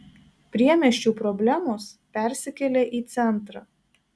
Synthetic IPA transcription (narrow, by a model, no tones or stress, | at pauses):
pʲɾʲiɛmʲɛʃʲt͡ʃʲuːpɾɔbʲlʲæmoːspʲɛˑɾʲsʲɪkʲɛlʲeːʔiːt̪sʲɛnˑt̪ɾɑ